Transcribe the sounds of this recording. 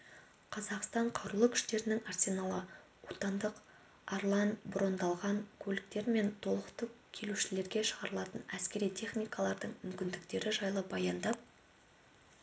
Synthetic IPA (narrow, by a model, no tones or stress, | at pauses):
qʰɑzɑqst̪ɑɴqʰɑwɾulˠəkʲʰʏ̥ʃt̪e̞ɾɪnɪŋarsʲenalˠə | wot̪ɑnd̪əq | ɑɾlˠɑnbɾo̞nd̪ɑlˠʁɑŋkʲʰɵlɪk̚t̪e̞ɾme̞nt̪ʰo̞lˠəqt̪əkʲʰːe̞luʃɪle̞ɾɡʲe̞ʃəʁɑɾəlˠɑt̪ənæskʲe̞ɾijt̪ʲʰe̞χnijkɑlˠɑɾd̪əɴmʏmkʲɪnd̪ɪk̚t̪e̞ɾɪʒɑjlˠəbɑjɑnd̪ɑp̚